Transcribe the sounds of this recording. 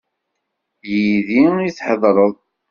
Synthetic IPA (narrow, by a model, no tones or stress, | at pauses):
jiðiiθħəðˤɾˤəðˤ